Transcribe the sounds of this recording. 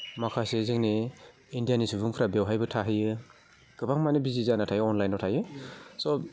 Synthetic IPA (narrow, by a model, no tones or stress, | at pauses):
makʰasezɯŋne | indijanisubuŋpʰɾabewɦajbɯtʰaɦɯjɯ | kɯbaŋmanibizizanatʰajɯɔnlajnɔtʰajɯsɔ